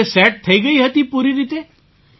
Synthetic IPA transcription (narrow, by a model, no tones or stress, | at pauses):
esɛʈ̚t̪ʰəiɡəiːɦət̪iːpuɾiɾit̪e